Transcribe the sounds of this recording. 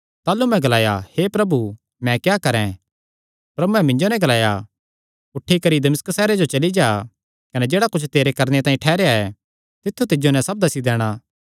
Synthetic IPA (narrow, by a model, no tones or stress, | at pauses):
t̪aːlumɛ̃ɡɐlaːja̰hepɾɐbu | mɛ̃kjaːkɐɾɛ̃ | pɾɐbuɛ̃mɪ̃ɲd͡ʒonɛ̃ɡɐlaːja | ʊʈʰːikɐɾid̪ɐmɪskəsɛːɾed͡ʒot͡ʃɐlid͡ʒaː | kɐned͡ʒeːɽakʊt͡ʃʰt̪eːɾekɐɾnet̪ãːĩʈʰɛːɾejaɛ | t̪ɪt̪ʰːut̪ɪd͡ʒonɛ̃sɐb̚d̪ɐsid̪ɛːɽ̃aː